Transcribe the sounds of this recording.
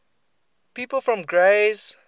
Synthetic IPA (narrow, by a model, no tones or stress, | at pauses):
piːpəl̩ˠfɹɔ̃mɡɹez